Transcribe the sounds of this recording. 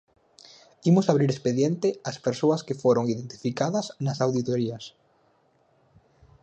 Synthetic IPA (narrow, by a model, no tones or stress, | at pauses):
imʊsaβɾiɾespeðjent̪ɪɐspeɾsoɐskefoɾoŋiðent̪i̥fikaðɐsnɐsawðit̪oɾiɐs